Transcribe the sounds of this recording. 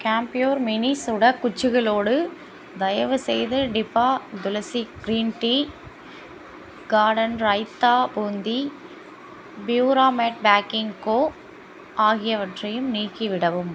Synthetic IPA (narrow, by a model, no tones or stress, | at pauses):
kaːmpɪjoːɾmɪnisʊɽɐkːʊt͡ʃːɯɣɐɭoːɽɯ | d̪ɐjɐʋɯsɛjðɯɖɪpːaːd̪ʊlɐsiɡɾiːnʈi | ɡaːɖɐnɾɐɪt̪ːaːbuːnd̪i | bjuːɾaːmeːʈ̚baːkɪŋkoː | aːɣɪjɐʋɐʈrɐjɯmniːkːiʋɪɽɐʋɯm